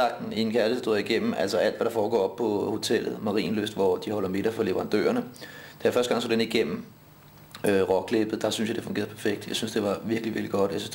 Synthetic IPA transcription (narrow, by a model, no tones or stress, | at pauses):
ɑ̈ɡ̥̚d̥n̩ie̝nkʰæɐləsd̥oðɐiɡ̥em̰m̩æl̰sɒʔæl̰d̥ʋæɾ̥ɑ̈fɒːɡ̥ɒ̰ːɒ̽b̥̚pʰɒ̽ho̝t͡sʰel̰ð̞̩ˠmɑ̈ʁḭːnløsd̥ʋɒd̥ihɒ̽l̰ɐme̝ɾ̥ɐfɒle̝ʋəʁɑ̈nd̥ø̰ːɐnəd̥æjafɶɐsd̥ɡ̥ɑ̈ŋso̰ːd̥eniɡ̥em̰m̩ | ʁɒ̽ɡ̥ʰleb̥ð̩ˠd̥ɑ̈synsjɑd̥e̝fɔ̽ŋɡe̝ːɐðˠpʰæɐfeɡ̥d̥jɑ̈synsd̥e̝ʋɑ̈ʋiɐɡ̥liʋḭɐɡ̥liɡ̥ɒ̽d̥æsy